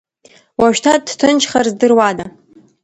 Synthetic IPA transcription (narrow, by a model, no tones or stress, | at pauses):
waʃᶣtʰad̚dtʰɨnt͡ʃʰχarzdɨrwada